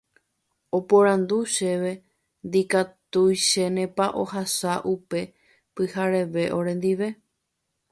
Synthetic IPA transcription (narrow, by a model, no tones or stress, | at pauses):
opoɾãnd̪uʃeʋe̞ | nd̪ikat̪ujʃenẽ̞paʔo̞hasaʔupe̞ | pɨhaɾe̞ʋe̞ʔoɾẽ̞nd̪iʋe̞